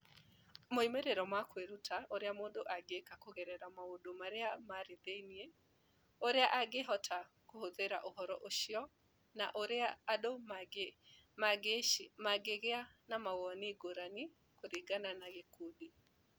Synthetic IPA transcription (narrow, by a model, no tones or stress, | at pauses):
moimeɾeɾɔmakweɾutʰaʔoɾeamodoʔaɡekakoɣɛɾɛɾamaodomaɾeamaɾeðeniɛ | oɾeaʔaɡeɦɔtʰa | kohoðeɾa̰ʔoɦɔɾɔʔoʃiɔ | na̰ʔoɾeaːdom | maɡemaɡeɣeanamawɔniɡoɾani | koɾiɡananaɣekudi